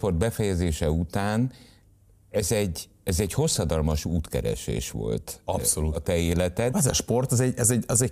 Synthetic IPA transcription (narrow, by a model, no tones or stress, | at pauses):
po̞rd̪̚bɛfɛjɛzeːʃɛut̪aːn | ɛzɛɟː | ɛzɛɟho̞sːɒd̪ɒlmɒʃuːt̪kɛ̰ɾɛ̰ʃḛːʃʋo̞̰lt̪ɒ̰psoluɒt̪ɛeːlɛt̪ɛt̪ɛzɒʃpo̞rt̪ɛzɛɟɛzɛɟɛzɛɟ